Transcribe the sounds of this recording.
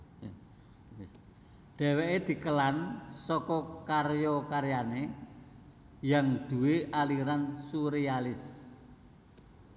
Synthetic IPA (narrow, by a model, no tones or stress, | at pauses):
ɖ̥ɛ̤weʔed̪̥i̤kəlansɔkɔkarjɔkaɾjane | jaŋd̪̥ṳweʔaliɾansuɾealɪs